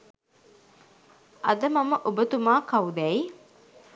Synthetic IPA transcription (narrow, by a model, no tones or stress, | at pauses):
ʔɐd̪ɐmɐməʔubət̪umaːkɐud̪ɛi